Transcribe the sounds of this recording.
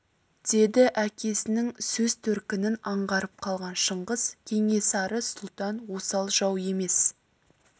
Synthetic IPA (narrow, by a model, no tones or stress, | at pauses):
d̪̥e̞d̪ɪʔækʲʰe̞sɪnɪŋsɵzt̪ʰɵɾkʲɪnɪnɑɴʁɑɾəp̚qʰɑlˠʁɑnʃəɴʁəz̥kʲʰe̞ŋe̞sɑɾəsʊlˠt̪ɑnwo̞sɑlˠʒɑwe̞me̞s